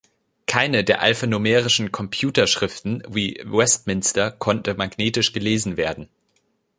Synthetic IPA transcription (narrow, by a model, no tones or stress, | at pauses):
kʰaɪnədeːɐʔa̰lfanomɛːʁɪʃn̩kʰɔmpʰjuːtɐʃʁ̥ɪftn̩viːwɛstmɪnstɐkʰɔntəmaɡneːtɪʃɡ̥əleːzn̩veːɐdn̩